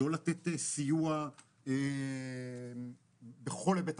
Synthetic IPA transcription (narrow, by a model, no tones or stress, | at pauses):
olat̪et̪esijua | e | beχo̞lebet̪